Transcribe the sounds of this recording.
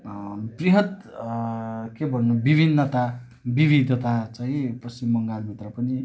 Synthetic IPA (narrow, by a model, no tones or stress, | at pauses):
briɦʌt̪ | kebʱʌnːubibʱinːʌt̪a | bibid̪ʱʌt̪at͡saĩpʌsimːʌŋɡalbʱit̪rʌpʌni